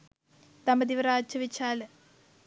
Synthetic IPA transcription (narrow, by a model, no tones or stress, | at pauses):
t̪ɐmɐd̪iʋɐɾaːt͡ɕːɐʋit͡ɕʰːaːl